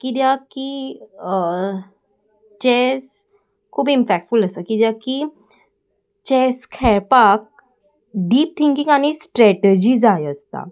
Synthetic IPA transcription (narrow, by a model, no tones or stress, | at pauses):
kid̪jaki | t͡ɕes | kʰuːbinpɛk̚ʈfuləsəkid̪jaki | t͡ɕɛskʰɛɭpak̚ | ɖiːp̚t̪ʰiŋkiŋɡaɽ̃isʈɾɛʈed͡ʑiːd͡zajəst̪a̰